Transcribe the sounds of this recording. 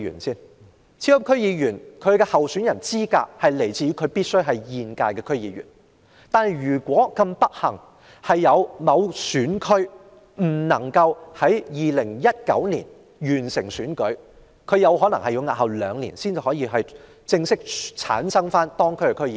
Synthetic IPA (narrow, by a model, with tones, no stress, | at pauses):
y̰ː˨˩nsiː˥n | t͡sʰi˧˥ɐ˥kʰɵ˥ɥjiː˧jyː˨˩nkʰɵ˨˧ɥkɛː˧hɐ˨wsyː˨˥njɐ˨˩nt͡siː˥ka̰ː˧˥k̚hɐ˨jle˨˩jt͡siː˨y˧˥kʰɵ˨˧ɥpiː˥t̚sɵ˥ɥɦɐ˨jjiː˨˧nkaː˧jkɛː˧kʰɵ˥ɥjiː˨˧ɥy̰˨˩n | t̪aː˨˧nhɐ˨˩jjyː˨˩kʷɔː˨˥kɐ˧mpɐ˥t̚hɐ˨˩ŋ | hɐ˨jːɐ˨˧wmɐ˨˧wsyː˨˥nkʰɵ˥ɥ | m̩˨˩nɐ˨˩ŋkɐ˧whɐ˨˥jjiː˨lɪ˨˩ŋjɐ˥t̚kɐ̰˨˥wniː˨˩n | jyː˨˩nsɪ˨˩ŋsyː˨˥nkɵ˨˥ɥ | kʰɵ˨˧ɥjɐ˨˧wɦɔː˨˥nɐ˨˩ŋhɐ˨jʊ˨˧˥ŋaː˨t̚hɐ˨wlœː˨˧ŋlḭː˨˩nsiː˥nt͡si˨jhɔː˨˥jiː˧ɦɐ˨j | t͡sɪ˧ŋsɪ˥k̚t͡sʰa̰ː˨˥nsɐ˥ŋfaː˥nt̪ɔː˥ŋkʰɵ˥ɥkɛ˧kʰɵ˥ɥjiː˧˨